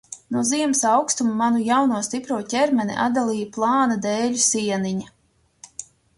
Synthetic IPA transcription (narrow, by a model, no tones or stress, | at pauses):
nuɔziɛmsawkst̪ummanujawnuɔst̪ipɾuɔtʲɛɾmʲɛnḭʔa̰d̪alˠiːjaplˠɑːnad̪ɛːʎʲusiɛniɲa